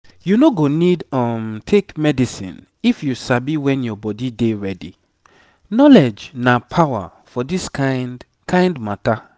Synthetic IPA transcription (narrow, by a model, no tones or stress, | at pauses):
junoɡonidɔ̃mtʰekmɛdisḭ̃n | ifjusabiwɛ̃njɔbɔdideɹɛdḭ | nɔlɛd͡ʒnapʰawa̰ | fɔdiskan | kʰãj̃ndmata